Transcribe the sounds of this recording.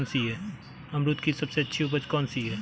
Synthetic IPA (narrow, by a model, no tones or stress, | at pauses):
nsiɦɛː | ɐmɾʊt̪kisɐbseɐtːʃʰiupət͡ʃkɔːnsiɦɛː